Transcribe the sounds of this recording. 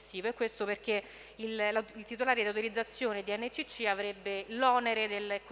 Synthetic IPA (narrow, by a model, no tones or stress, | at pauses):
sːiːvoɛkːwest̪operk̟e | illilt̪it̪̬olaːɾed̪awt̪ilid̪zːat̪sːjoːned̪iɛnːet͡ʃːit͡ʃːiavɾebːelɔːneɾed̪elk